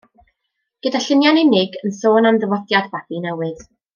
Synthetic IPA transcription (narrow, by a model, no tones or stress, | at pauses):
ɡ̥ədaɬɪnjanɛnɪɡənsoːnamðəvɔdjadbabinɛwɨð̥